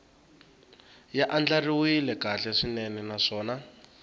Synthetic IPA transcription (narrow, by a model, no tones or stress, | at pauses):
jaʔand͡ɮariwilɛkaɬɛʂinɛnɛnaʂɔːna